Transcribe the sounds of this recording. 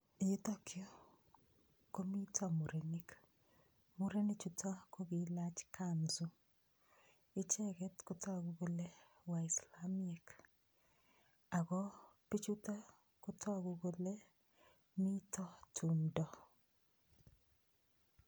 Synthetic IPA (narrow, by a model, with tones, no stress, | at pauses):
i˨jɪ˦t̪ɔ˦kʰɪo˦ | ko˦mi˦tʰɔ˦mu˨ɾe˨ni˦k | mu˦ɾe˦ni˦t͡ʃu˨tʰa˦ko˦ɡi˨la˦t͡ʃkʰa˦nzu˦ | ɪ˦t͡ʃɛ˦ɡɛ˦tko˦tɔ˦˨ɡu˨ɡo˦le˦ | wa˨ɪ˨slamɛ˨k | a˨ɡɔ˦pi˦t͡ʃu˦ta˦ | ko˦tʰɔ˦ɡu˨ɡo˦le˦ | mi˦tʰɔ˦tʰu˨ndɔ˨